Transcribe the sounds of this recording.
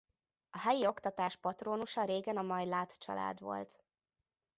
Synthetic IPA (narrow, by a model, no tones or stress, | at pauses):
ɒɦɛjio̞kt̪ɒt̪aːʃpɒt̪roːnuʃɒɾeːɡɛnɒmɒjlaːt̪t͡ʃɒ̰la̰ːd̪ʋo̞̰lt̪